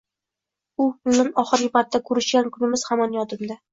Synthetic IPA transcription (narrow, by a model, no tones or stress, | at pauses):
ʊpʊlnɪnɒχɨɾɡɪpʰat̪ːakʰɵɾɪʃɡʲankʰʊnɪmɪz̥hamɒnjɒt̪ɪmd̪a